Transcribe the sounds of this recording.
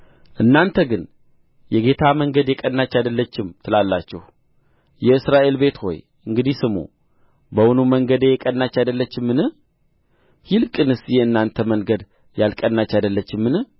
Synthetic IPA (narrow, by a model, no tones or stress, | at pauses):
ʔɨnːant̪ʰəɡɨn | jɛɡe̞t̪ʰaməŋɡəd̪jɛkʼənːat͡ʃːad̪əlːət͡ʃːɪmt̪ʰɨlalːat͡ʃːɛh | jɛɨsɾaʔe̞lbe̞t̪ho̞̰j | ɨŋɡɨd̪ihsɨmo̰ | bəwnuməŋɡəd̪ejɛkʼənːat͡ʃːad̪əlːət͡ʃːɪmːɨnɨ | hɪlkʼɨnɨsjɛɨnːant̪ʰəməŋɡəd̪ | jalkʼənːat͡ʃːad̪əlːət͡ʃːɪmːɨnɨh